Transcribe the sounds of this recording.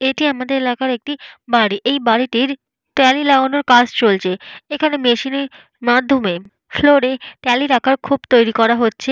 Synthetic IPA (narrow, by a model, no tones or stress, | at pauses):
eʈiamad̪eɾelakaɾek̚ʈibaɾiʔejbaɾiʈiɾ | ʈɛlilaonoɾkat͡ɕʰt͡ɕolt͡ɕʰeekʰanemeʃineɾ | mad̪ʱːome | floɾeʈɛliɾakʰaɾkʰubt̪ojɾikɔɾaɦotːɕʰe